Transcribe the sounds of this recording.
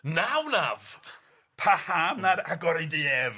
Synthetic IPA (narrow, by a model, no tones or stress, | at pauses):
nawnav | pʰahaːmnaɾaɡɔɾidɪɛv